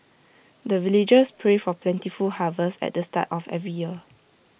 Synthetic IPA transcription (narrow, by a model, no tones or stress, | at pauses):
dəvilid͡ʒəspʰɹefɔplɛ̃ntifulhavəsɛ̰t̚dəsta̰tɔfɛ̰vɹijiə